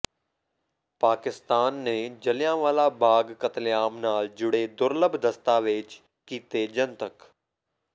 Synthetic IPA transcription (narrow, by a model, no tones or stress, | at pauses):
paːkɪst̪aːnːeːd͡ʒəlɪjãːʋaːlaːbaːɡkət̪ljaːmnaːld͡ʒʊɽeːd̪ʊɾləbʱd̪əst̪aːʋɪt͡ʃ | kiːt̪eːd͡ʒənt̪ək